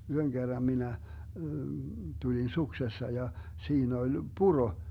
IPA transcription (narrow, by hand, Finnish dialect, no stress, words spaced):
yhøŋ ɡ̊erːɑm minæ tulin suksesːɑ jɑ siːn olʲ puro